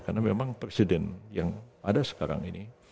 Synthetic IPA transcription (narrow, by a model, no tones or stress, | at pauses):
karnamemaŋpɾesidɛnjaŋadasə̥kaɾa̰ŋini